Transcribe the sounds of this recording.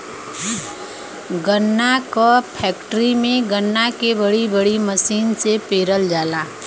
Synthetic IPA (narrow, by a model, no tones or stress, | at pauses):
ɡənːakɔpʰɛːkʈɾimẽɡənːakebəɽibəɽiməsiːnsepeːɾəld͡ʒaːla